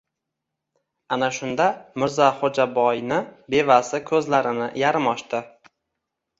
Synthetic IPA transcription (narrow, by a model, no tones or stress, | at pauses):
anaʃʊnd̪amɪɾzaχod͡ʒabɒjnɪbe̞vasɪkʲʰɵzlaɾɪnɪ̰jaɾɪmɒʃt̪ɪ